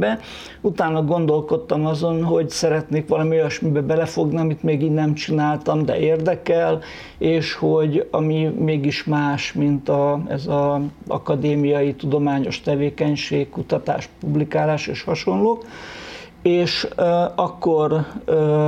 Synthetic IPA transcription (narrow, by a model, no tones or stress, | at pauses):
bɛ | ut̪aːnːɒɡo̞n̪d̪o̞lko̞t̪ːɒmɒzo̞nɦo̞ɟsɛɾɛt̪neːkʋɒlɒmiojɒʃmibɛbɛlɛfo̞ɡniɒmit̪meːɡiːnnːɛmt͡ʃinaːlt̪ɒmd̪ɛ̰eːrd̪ɛkɛl | eːʃho̞ɟɒmimeːɡiʃmaːʃmint̪ɒɛ̰zɒɒ̰kɒd̪eːmijɒjit̪ud̪o̞maːɲo̞ʃt̪ɛveːkɛɲʃeːkkːut̪ɒt̪a̰ːʃpublikaːlaːʃḛːʃhɒʃo̞nloːk | eːʃɒkːorø